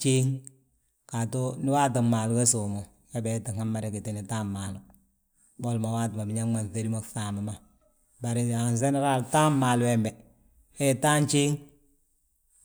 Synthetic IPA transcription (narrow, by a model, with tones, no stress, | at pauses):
t͡ʃe˦ŋ | ka˨to˦nɪ˦waː˦t̬a˨maː˨lu˦ka˦su˨mo˨ | ja˦bɛ˨˦ti˨ŋa˦mːa˦ɾe˦ki˨ti˦ni˨ta˦mma˨lʊ˨ | bo˦lma˨wa˦tɪ˨ma˨bi˨ɲa˦ma˨nθe˦ɾi˦ma˦˨kfa˨ma˨ma˦˨ | ba˨ɾi˨a˨ns̬e˦ni˦ɾa˦lta˦mmaː˨lwɛ˨mbɛ˨ | e˦je˨taː˦nt͡ʃeː˦ŋ